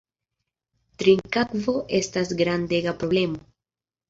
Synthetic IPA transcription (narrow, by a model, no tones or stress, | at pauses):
t̪ɾiŋkakvo̞ʔe̞stasɡɾande̞ɡapɾo̞ble̞mo